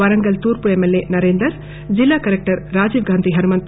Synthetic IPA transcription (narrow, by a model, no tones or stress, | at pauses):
ɐɾɐŋɡɐlt̪uːɾpuemːelːenɐɾeːnd̪ɾɐɾ | d͡ʒilːaːkɐɾek̚ʈɐɾːaːd͡ʒiːʋɡʱaːnt̪iɦɐɾumɐnt̪